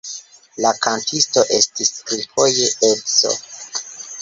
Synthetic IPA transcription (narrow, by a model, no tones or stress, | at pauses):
lakantʰisto̞ʔe̞stispɾifo̞je̞elso̰